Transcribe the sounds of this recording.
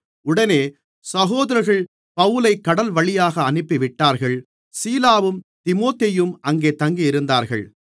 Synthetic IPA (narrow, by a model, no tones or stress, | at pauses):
ʊɽɐneː | sɐɣoːðɐɾɐɾɣɐɭ | pɐʋɯlɐɪkːɐɽɐlʋɐɭɪjaːɣɐːnɪpːɪʋɪʈːaːɾɣɐɭ | siːlaːʋɯmt̪ɪmoːt̪ejɯmʔɐŋɡeːt̪ɐŋɡijɪɾɯnd̪aːɾɣɐ̰ɭ